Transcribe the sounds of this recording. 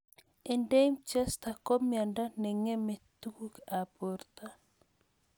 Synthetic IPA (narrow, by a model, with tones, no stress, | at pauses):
e˨nde˦mt͡ʃɛ˦st̪a˨kɔ˦mja˨nda˦nɛ˨ŋe˦me˨t̪u˦ku˦ka˨po˨rt̪a˦